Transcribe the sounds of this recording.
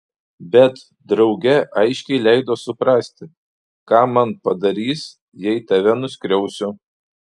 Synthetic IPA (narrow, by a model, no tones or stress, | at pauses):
bʲɛt̪ | d̪ɾɒʊɡʲɛʔɐɪʃʲkʲɛɪlʲɛɪd̪oːsʊpɾɑːsʲt̪ʲɪ | kɑːmɐnpɐd̪ɐɾʲiːs | jɛɪt̪ɐʋʲɛnʊsʲkɾʲɛʊsʲʊ